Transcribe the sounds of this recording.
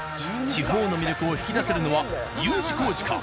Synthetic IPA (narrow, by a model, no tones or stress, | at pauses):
t͡ɕiɦo̞ːno̞mʲiɾʲo̞kɯ̟o̞çi̥kʲid̪ase̞ɾɯ̟no̞βa | jɯːt͡ɕi̥ko̞ːʑi̥ka̰